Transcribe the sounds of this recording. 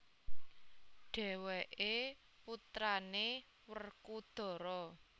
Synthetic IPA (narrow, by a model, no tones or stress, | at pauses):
ɖ̥ɛ̤wɛʔe | put̪ɾane | wərkud̪̥ɔ̤ɾɔ